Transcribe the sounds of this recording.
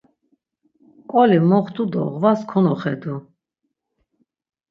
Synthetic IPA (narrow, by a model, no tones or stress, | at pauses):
kʼɔlimɔχt̪ʰʼud̪ɔ̰ʁvaskʰɔnɔχɛd̪u